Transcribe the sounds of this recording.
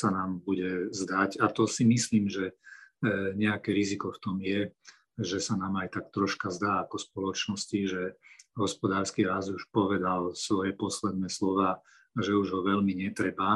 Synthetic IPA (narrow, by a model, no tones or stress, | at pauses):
sanaːmbuɟɛzd̪acat̪ɔsimisliːmʒɛ | ɲɛakɛɾizikɔft̪ɔmjɛ | ʒɛsanaːmajt̪ak̚t̪ɾɔʃkazd̪aːakɔspɔlɔt͡ʃnɔsciʒɛɦɔspɔd̪aːɾskiɾazuʃpɔʋɛd̪alsʋɔjɛpɔslɛd̪̚nɛːslɔʋaː | ʒɛuʒɦɔʋɛlmiɲɛt̪ɾɛba